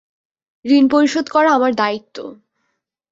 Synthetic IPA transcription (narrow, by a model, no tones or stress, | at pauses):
ɾinpoɾiʃod̪kɔɾaamaɾd̪ait̪ːo̰